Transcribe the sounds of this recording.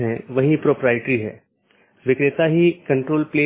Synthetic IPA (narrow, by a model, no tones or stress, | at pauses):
ɦɛ̃ʋɐɦĩpɾoːpɾaːjɪʈɾiɦɛ̰ː | ʋɪkɾɪt̪aɦikɐ̃ɳʈɾoːlpleː